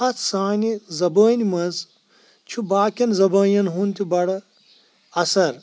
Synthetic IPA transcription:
ɐt͡sʰsaːnʲizɐbəːnʲimɐz | t͡ʃʰubaːkʲɐnzɐbɐːjɐnɦunt̪ʲʰibɐɽɐ | ɐsɐɾ

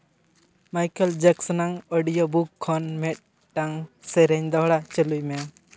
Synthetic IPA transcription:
majkəld͡ʒaksɔnaŋɔɖijobukʰːɔnmɛt̪̚ | ʈaŋsɛɾɛɲd̪ɔɦɽat͡ʃəlujmɛa

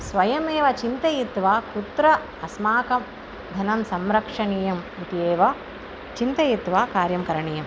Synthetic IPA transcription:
sʋɐjɐmeːʋɐt͡ʃint̪ɐjit̪ʋaːkut̪ɾɐ | ɐsmaːkɐm | d̪ʱɐnɐmsɐmɾɐkʂɐniːjɐmʋit̪ijeːʋɐ | t͡ʃint̪ɐjit̪ʋaːkaːɾjɐmkɐɾɐɳijɐm

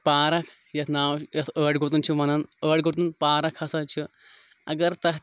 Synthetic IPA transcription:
paːɾɐkʰ | jɐt̪ʰnaːwjɐt̪ʰəːʈɡot̪̬unt͡ʃʰimɐnɐnəːʈɡot̪unpaːɾɐkʰɐsɐt͡ʃʰi | ɐɡɐɾt̪ɐɦ

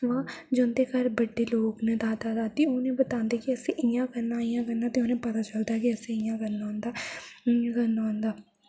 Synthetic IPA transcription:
ʋãːd͡ʒõnd̪eːkəɾbəɖːeːloːknəd̪aːd̪aːd̪aːt̪iʊːnẽːbət̪ãːnd̪eːkiəsĩʔɪjãːkəɾnãːɪjãːkəɾnd̪aːt̪eʊnẽːpət̪aːt͡ʃəld̪aːkiəsĩɪjãːkənaːõːnd̪ãː | kənːaõːnd̪aː

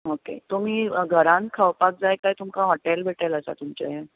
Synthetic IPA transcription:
okḛt̪om̤iːɡʱəɾãn̚kʰawpak̚d͡zajkajt̪umkaɦɔʈelbʱeʈələsa̰t̪umt͡ɕa̰je

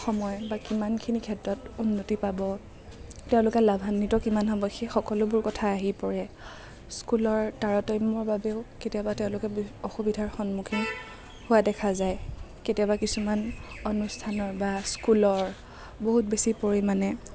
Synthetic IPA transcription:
xɔmɔjbakimankʰinikʰɛtɹɔtunːotipabɔ | tɛʊ̃lʊkɛlabʱanːitɔkimanɦɔbɔxixɔkɔlʊbʊɹkɔtʰaːɦipɔɹɛ | skulɔɹtaɹɔtɔjmɔɹbabeʊketijabatɛʊ̃lʊkɛɔxubidʱaɹxɔnmukʰin | hʊwadɛkʰazajketijabakisumanonustʰanɔɹbaskulɔɹ | boɦut̚besipoɹimanɛ

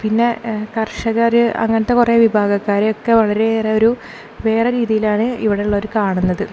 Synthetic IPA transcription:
pinːe̞kɐrʂɐɣaɾɨɐ̰ŋːɐnɐt̪ːe̞kureʋibʱaːɡɐkːaːɾejokːe̞ʋɐɭɐɾe̞ereo̞ɾu | ʋe̞ːreɾiːðijilaːɳɨiʋiɽeuɭːɐoɾukaːɳunːɐðɨ

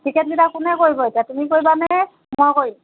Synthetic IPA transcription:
kʰikɛt̚ɡidakʊnɛkoɹibɔetijatumikoɹibanɛ | makoɹi

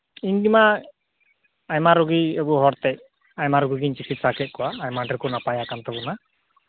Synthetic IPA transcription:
iɲdima | ajmaɾɔɡiebɔɦɔɾt̪ɛ | ajmaɾɔɡiɡiɲt͡ʃikit̪̚sakɛt̪̚kɔwaːjmaɖɛɾkɔnapajakant̪ɔbɔna

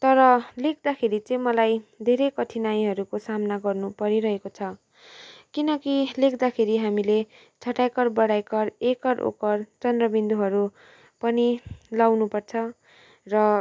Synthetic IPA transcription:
t̪ʌɾʌlek̚ʰd̪akʰeɾit͡sʌ̃jmʌlajd̪ʱeɾekʌt̪ʰinaj̃ɦʌɾukosamnaɡʌrnupʌɾiɾʌɦekot͡sʰʌ | kinʌkilekʰd̪akʰeɾiɦamile | t͡sʰʌʈajkʌrbʌɽajkʌrekʌɾʔo̰kʌrt͡sʌnd̪rʌbind̪uɦʌɾu | pʌnilawnupʌrt͡sʰʌ | rʌ

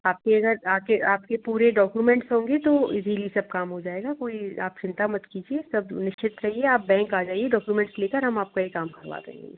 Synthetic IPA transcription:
aːp̚keɐɡəɾaːkeʔaːp̚kepuːɾeɖɔːkjumɛ̃ɳʈsɦõːŋɡet̪oɪziːlisɐb̚kaːmɦod͡ʒaːeːɡakoːia̰ːp̚t͡ʃɪ̃nt̪amɐt̪kiːd͡ʒiesɐbnɪʃt͡ʃɪt̪ɾɐɦieaːp̚bɛ̃ːŋkaːd͡ʒaːieɖɔːkjumɛ̃ɳʈsleːkəɾɦɐmaːp̚kaekaːmbʱɐɾʋa̰ːt̪ɐɦḛ̃ŋɡe

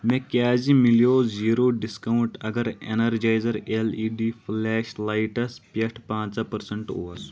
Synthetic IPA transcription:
mẽːkjaːzimilijoːziːɾoːɖiskɐuɳʈɐɡɐɾenɐɾd͡ʒaːjzɐɾeliːɖiːfʰlɛːʃlaːiʈɐspjɐʈʰpãːt͡sapɐɾsɐɳʈo̰ːɐsu̥

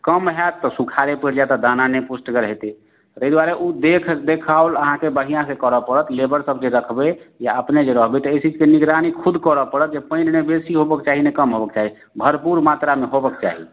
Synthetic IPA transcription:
kəmɦɛt̪ːɔsukʰaɾepəɾd͡ʒat̪ɔd̪ananepusʈɡəɾɦet̪e | ɾəɦid̪waɾeʔud̪ekʰd̪ekʰaoləɦãkebəɦijãsekəɾəpəɾət̪lebəɾsəbd͡ʒeɾəkʰbejaəpned͡ʒeɾəɦbet̪ɔeit͡ʃid͡ʒkeniɡɾanikʰud̪ʱkəɾəpəɾət̪̚d͡ʒepə̃ɪ̃nnebesiɦobəkt͡ʃaɦinekəmɦobək̚t͡ʃaɦi | bʱəɾpuɾmat̪ɾameɦobəkt͡ʃa̰ɦi

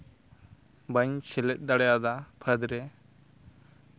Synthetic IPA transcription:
bəɲt͡ʃʰɛlɛt̪̚ˀd̪aɽjad̪apʰəd̪ɾɛ

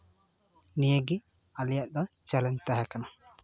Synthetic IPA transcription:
nijəɡi | alijaʔd̪ɔ̃t͡ʃɛlɛɲt̪aɦakana

